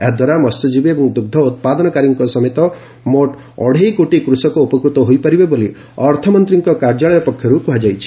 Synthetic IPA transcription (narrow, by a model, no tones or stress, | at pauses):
ed̪waɾamɔst̪ud͡ʒibebɔŋd̪uɡ̚d̪ʱɔut̪̚pad̪ɔnɔkaɾiŋkɔsɔmet̪ɔ | moʈ | ɔ̰ɽ̤ejkoʈikɾusɔkɔupɔkɾut̪ɔɦojpaɾibeboli | ɔɾt̪ʰɔmɔnt̪ɾiŋkɔkaɾd͡ʒaɭɔjɔpɔkʰjɔɾukuɦad͡ʒajt͡ʃʰi̥